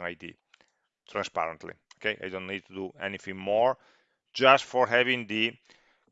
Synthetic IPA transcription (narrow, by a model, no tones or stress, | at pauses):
ŋajd̪ḭ | t̪ʰɾãnspa̰ɾə̃nt̪lḭokejʔa̰jdõntnid̪̚t̪ʰud̪uɛ̰nifĩŋmɔɹ | d͡ʒastfɔɾɦɛvĩŋd̪i